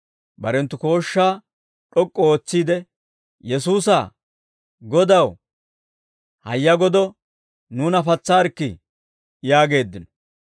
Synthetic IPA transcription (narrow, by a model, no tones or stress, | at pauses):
bɐɾɛnt̪ːʊko̞ːʃːaː | ᶑɔkʼːɔoːt͡sːiːd̪ɛ | jɛsuːsa | ɡɔd̪ɐw | hɐjːɐɡɔd̪ɔ | nuːnɐfɐt͡sːaːɾkːɪ̰ | jaːɡe̞ːd̪ːɪnɔ̥